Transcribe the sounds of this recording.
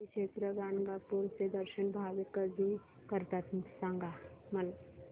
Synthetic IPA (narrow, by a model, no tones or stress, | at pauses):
kʃeːt̪ɾəɡaːnɡapuɾsed̪əɾʃənbʱaːʋɪkːəɾd̪i | kəɾt̪at̪sãŋɡaməl